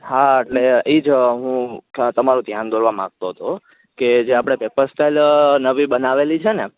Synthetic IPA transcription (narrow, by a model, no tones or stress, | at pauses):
haeʈleid͡ʒɦũt̪əmaɾũd̪ʱjand̪oɾʋamã̰ɡ̚t̪oɦət̪o | ked͡ʒeapɽ̃epepəɾsʈelnəʋibənaʋelit͡ʃʰene